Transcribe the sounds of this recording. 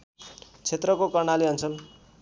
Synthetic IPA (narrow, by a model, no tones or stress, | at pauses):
t͡sʰet̪rʌkokʌrɳaliɦʌnt͡sʰʌl